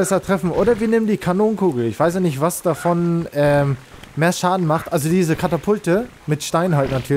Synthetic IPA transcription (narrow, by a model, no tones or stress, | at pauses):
ɛsɐtʁ̥ɛfn̩ʔoːɾɐviːnɪmtdiːkʰanoːnkʰuːɡl̩ɪçv̥aɪs̬anɪçtv̥asd̥afɔnʔɛːm | meːɐʃaːdn̩maχtʔalzodiːzəkʰatapʰʊltə | mɪtʃtaɪnɦaltnatʰyːɐ